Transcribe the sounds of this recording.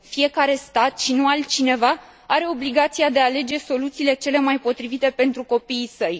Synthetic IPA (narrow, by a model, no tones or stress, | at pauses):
fije̞kaɾe̞st̪at̪ʃinualt͡ʃine̞va | aɾe̞o̞bliɡat̪siad̪e̞aːle̞d͡ʒe̞so̞lut̪siːle̞t͡ʃe̞le̞majpo̞t̪ɾivit̪e̞pe̞nt̪ɾuko̞piːsəj